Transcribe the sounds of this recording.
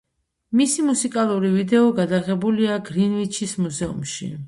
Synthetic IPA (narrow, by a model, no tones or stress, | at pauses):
misimusikʼalˠuɾivid̪ɛɔɡad̪aʁɛbuliaɡɾinvit͡ʃʰismuzɛṵmʃḭ